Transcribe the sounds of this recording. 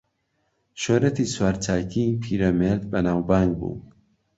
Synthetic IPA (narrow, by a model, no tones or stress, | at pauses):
ʃoːɾet̪ʰiːswaːɾt͡ʃʰaːkʰipʰiːɾɐmeɾd̪bɐnaːwbaːŋɡ̚bṵ